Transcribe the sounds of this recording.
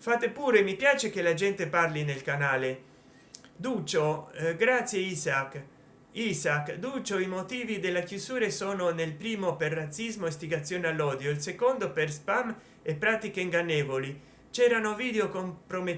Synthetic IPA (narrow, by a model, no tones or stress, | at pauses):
fat̪epuːɾemipjaːt͡ʃekelad͡ʒɛnt̪eparlinelkanaːle | d̪uːt͡ʃoɡɾat̪sjeisak | isakːd̪uːt͡ʃoimot̪iːvid̪elːakjuzuːɾesoːnonelpɾiːmoperːat̪sːizmoest̪iɡat̪sːjoːnealːɔːd̪joilsekond̪operspam | epːɾaːt̪ikeiŋɡanːɛːvoli | t͡ʃɛːɾanoviːd̪eokompɾome